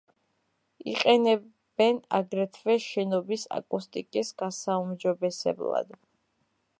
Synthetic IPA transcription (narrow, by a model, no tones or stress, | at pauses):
ḭqʼɛnɛ | bɛna̰ɡɾɛt̪ʰvɛʃɛnɔbisa̰kʼust̪ʼikʼisɡ̥asaumd͡ʒɔbɛsɛ̰blˠa̰d̪̥